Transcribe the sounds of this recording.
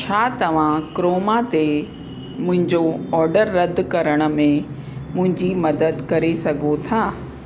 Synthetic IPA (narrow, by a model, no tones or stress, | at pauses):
t͡ɕʰaːt̪ɐʋ̤ãkɾoːmat̪e | mʊ̃ɦɪ̃ɲd͡ʑoɔːɾɖəɾːɐd̪ʱkɐɾəɽ̃ə̆mẽ | mʊ̃ɦɪ̃ɲd͡ʑimɐd̪əd̪kɐɾesɐɡʱot̪ʰaː